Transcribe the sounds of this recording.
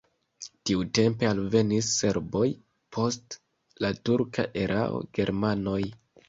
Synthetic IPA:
tiute̞mpe̞alve̞nisːe̞ɾbo̞j | pʰo̞st | latuɾkʰa̰ʔeɾʔa̰o̰ɡe̞ɾmano̞j

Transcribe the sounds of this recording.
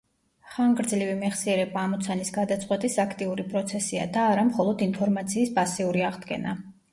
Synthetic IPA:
χaŋɡɾd̪zlivimɛχsiɛɾɛbaːmɔt̪sʰanisɡad̪at̪sʼqʼwɛt̪ʼisakʰt̪ʼiuɾipʼɾɔt̪sʰɛsia̰d̪aːɾamχɔlˠɔd̪inpʰɔɾmat̪sʰiːspʼasiuɾiaʁd̪ɡɛ̰na

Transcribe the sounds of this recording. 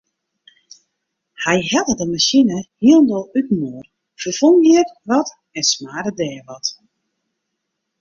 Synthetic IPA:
hɛjhɛdədəmaʃinəhiəlˠndolˠyt̩moər | fərfoŋjiəkʋɔt | ɛnsmaːɾədɛːʋɔt

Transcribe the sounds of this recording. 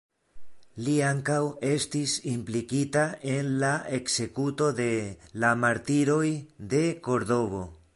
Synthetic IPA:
liaŋkawe̞stisimplikitae̞nlae̞kse̞kuto̞d̪e̞lamaɾt̪iɾo̞jd̪e̞ko̞ɾðo̞βo̞

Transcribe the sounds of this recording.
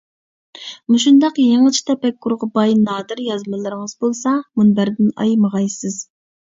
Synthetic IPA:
muʃund̪ɑqjeŋɨt͡ʃʰi̥t̪ʰɛpɛkːuɾʁɑbɑjnɑːd̪ɨɾjɑzmɨlˠɨɾɨŋəzbolˠsɑmunbæɾd̪ɪnɑ̰jməʁɑjsɪz̥

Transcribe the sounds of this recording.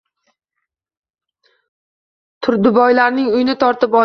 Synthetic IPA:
t̪ʰʊɾd̪ʊbɒjlaɾnɪŋʊjɪnɪt̪ʰɒɾt̪ɪpɒ

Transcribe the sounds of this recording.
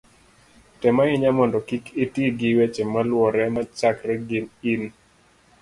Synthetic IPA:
tɛmaɪɲamɔndɔkikitiɡɪwet͡ʃemalwɔɾɛmat͡ʃakɾɛɡɪnin

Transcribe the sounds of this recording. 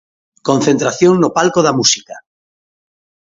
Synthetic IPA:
kõn̟θent̪ɾaθjoŋnopalkoðamusika

